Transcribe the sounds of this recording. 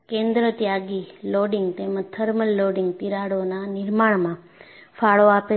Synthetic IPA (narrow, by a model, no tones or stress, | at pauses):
kẽnd̪ɾət̪jaɡiloɽɪŋɡt̪emə̃t̪ʰəɾməlːoɖiŋɡ̚t̪iɾaɽonanɪɾmaɳmã | faɭoape